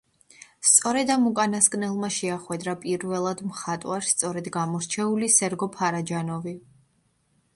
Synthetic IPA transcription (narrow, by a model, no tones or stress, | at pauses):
st̪sʼɔɾɛd̪amukʼanaskʼnɛlˠmaʃɛaχwɛd̪ɾapʼiɾvɛlˠad̪mχat̪ʼwaɾst̪sʼɔɾɛd̪ɡamɔɾt͡ʃʰɛulisɛɾɡɔpʰaɾad͡ʒanɔvi